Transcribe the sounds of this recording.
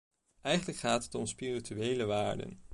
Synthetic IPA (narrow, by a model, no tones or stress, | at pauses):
ʔɛjχənləkχaːtɦətɔmspirityejləʋaːɹdə̰n